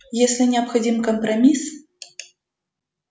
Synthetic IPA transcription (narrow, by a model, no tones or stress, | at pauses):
jɛsʲlʲinʲɛɐpxad͡zʲimkɐmpɾamʲis